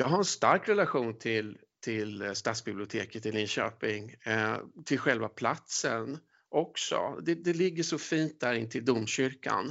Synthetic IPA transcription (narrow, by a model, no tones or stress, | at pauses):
jɑːɡɦaɾɛnst̪aɾkɾɛlaɧuːnt̪ʰɪl | t̪ʰɪlst̪at̪sbɪblɪʊt̪ʰeːkət̪ːɪlɪnɕø̰ːpɪŋ | t̪ʰɪlɧɛlvapʰlat̪sən | ʔɔksɔ̰d̪ɛd̪ɛlɪɡːəʂɔfiːnt̪̚d̪æɾɪnt̪ʰɪld̪ʊmɕʏɾka̰n